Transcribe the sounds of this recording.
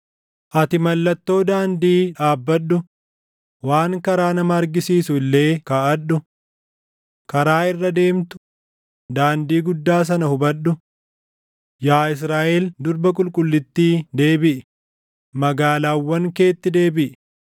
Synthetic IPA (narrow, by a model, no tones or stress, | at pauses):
ʔɐt̪ɪmɐlːɐt̪ːo̞ːd̪aːnd̪iːᶑaːbːɐɗːʊ | waːŋkɐɾaːnɐmɐːɾɡɪsiːsʊɪlːe̞ːkaːʔɐɗʊ | kɐɾaːɪrːɐd̪e̞ːmt̪ʊ̥ | d̪aːnd̪iːɡʊd̪ːaːs̬ɐnɐhʊbɐɗʊ | jaːɪs̬ɾaːʔeld̪ʊɾbɐkʼʊlkʼʊlːɪt̪ːiːd̪e̞ːbɪʔɪ | mɐɡaːlaːwːɐŋke̞ːt̪ːɪd̪e̞ːbɪʔɪ